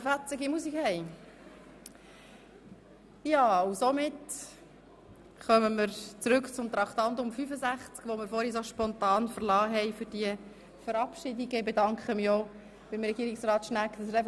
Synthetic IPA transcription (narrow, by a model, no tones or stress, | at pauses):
fæt͡sɪɡimusikhɛɪ | jɑːʊsomɪt | χœməmɪɾt͡sɾʉkt͡sʊmt̪ɾɑkt̪ɑnt̪ʊmfyfəzæχt͡skʋomɪɾfɔːɾhis̬oʃpɔnt̪ɑːnfəɾlɑːɦɛɪfʏɾd̥iə | fəɾɑpʃɪdiɡəɪbedɑŋkχəmio | ʋɪmrɛɡiːɾiksrɑːtʃnækd̪ɑsɾɛ